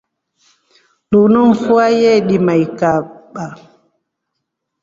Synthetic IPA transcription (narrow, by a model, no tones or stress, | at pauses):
lunɔnfuajɛɗimajkaɓa